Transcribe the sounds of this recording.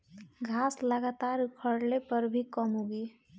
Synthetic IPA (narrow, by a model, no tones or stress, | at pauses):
ɡʱasləɡat̪aɾkʰəɽlepəɾbʱikəmɦoɡi